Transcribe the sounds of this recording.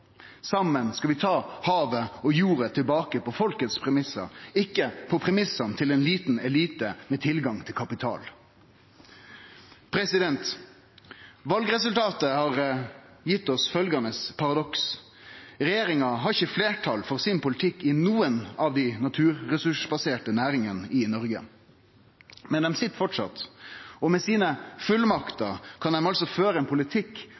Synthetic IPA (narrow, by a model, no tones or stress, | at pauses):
sɑmːənskɑʋɪt̪ʰɑːhɑːʋəɔjuːɾət̪ʰɪlbɑːkəpɔfɔlkət̪spʰɾɛmɪsɑ̰ɾɪkːəpʰɔpʰɾɛmɪsɑnt̪ʰɪlɛnliːt̪n̩ɛliːt̪əmɛt̪ʰɪlɡɑŋt̪ʰɪlkʰɑpɪt̪ʰɑ̰ːl | pʰɾɛsɪd̪ɛnt̪ | ʋɑlɡɾɛs̬ʉlt̪ʰɑːt̪əhɑʁ | jɪt̪ːɔsfœlɡɑnəspʰɑɾɑd̪ɔks | ɾɛjeːɾɪŋɑɦɑɾɪçːəfleːʈʰɑlfɔɾsɪnpʊlɪt̪ʰɪkːɪnuːənɑʋd̪inɑt̪ʰʉːɾɾɛsʉʂbɑseːʈənæːɾɪŋənəʔɪnɔɾɡə̰ | mɛnd̪ɛmsɪt̪ːfɔʈʂɑ̰t̪ɔmɛsiːnəfʉlmɑkt̪əkʰɑnd̪ɛmɑlsɔføːɾəɛnpʰʊlɪt̪ʰɪkː